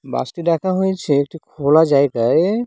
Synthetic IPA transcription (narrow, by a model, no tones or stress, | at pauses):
ba̰sʈidakʰaɦojt͡ɕʰeek̚ʈikʰolad͡ʒajɡaj